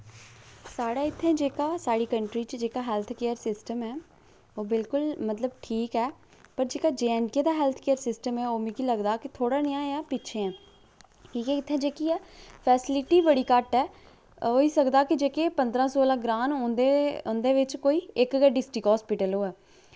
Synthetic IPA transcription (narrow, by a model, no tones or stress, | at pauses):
saːɽaːɪt̪ʰːẽːd͡ʒeːkaːsaːɽiːkəɳʈɾiːt͡ʃd͡ʒeːkaːɦɛːlt̪ʰkeːəɾsɪsʈəmɛː | oːbɪlkʊlmət̪ləbʈʰiːkɛː | pəɾd͡ʒeːkaːd͡ʒeːɛ̃ːnkeːd̪aːɦɛːlt̪ʰkeːəɾsɪsʈəmɛːoːmẽːkiːləɡd̪aːkɪt̪ʰoːɽaːnɪjãːjãːpɪːt͡ʃʰẽːɛ̃ː | ʈiːkɛːɪt̪ʰːẽːd͡ʒeːkiːɛːpʰɛːsɪlɪʈiːbəɽiːkəʈɛː | oːiːsəkd̪aːkɪd͡ʒeːkeːpənd̪ɾãːsɔːlaːɡɾaːnɦõːnd̪eːõːnd̪eːʋɪt͡ʃkoːiːɪkɡɛːɖɪsʈɪkɦɔːspɪʈəloːɛː